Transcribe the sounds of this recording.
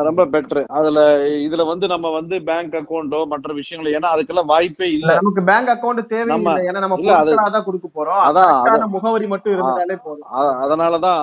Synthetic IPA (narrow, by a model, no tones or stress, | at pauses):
ɾɔmbɐbɛʈːɾɯɐðɪlɐɪðɪlʋɐnd̪ɯnɐmːɐʋɐnd̪ɯbaːŋkɐkːɐwɳɖoːmɐʈrɐʋɪʂɐjɐŋɡɐɭeːnːaːɐðɯkːɛlːaːʋaːjpːeːɪðnɐmɐk̬ːɯbjaːŋkɐkːɐʊɳɖɯt̪eːʋɛɐmːɐɐeːnːaːnɐmːɐɪplːɐðɐɭaːɐt̪̬ãːkɔɽɯkːɐpːoːɾõːɐðãːɐaːnɐmʊɣɐʋɐɾimɐʈːʊ̃ɪɾɯnaːleːpoːðɐ̃ɐðɐðɐnaːlɐt̪ãː